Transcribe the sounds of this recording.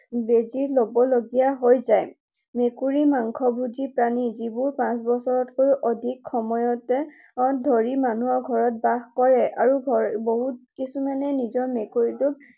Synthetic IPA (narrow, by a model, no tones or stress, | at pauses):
bezilobɔloɡijaɦojzaj | mekuɹimaŋkʰɔbuzipɹanizibʊɹpãsbɔsɔɹɔtkoɹuʔɔdʱikxɔmɔjɔtɛ | ɔdʱoɹimanuɔɹɡʱɔɹɔt̚baxkɔɹɛʔaɹuɡʱɔboɦut̚kisumanɛnizɔɹmekuɹitʊ